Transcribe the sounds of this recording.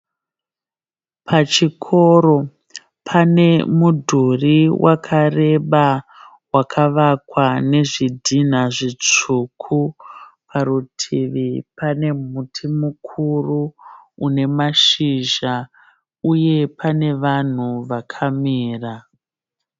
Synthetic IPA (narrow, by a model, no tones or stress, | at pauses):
pʰat͡ʃikʰo̞ɾo̞ | pʰane̞mudʱuriwʔakʰare̞ɓa | wakʰaʋakwane̞ʐidʱin̤aʐit͡ʂukʰupʰaɾutʰiʋipane̞m̤utʰimukʰuruune̞maʃiʒa | uje̞pane̞ʋan̤uʋakʰamiːra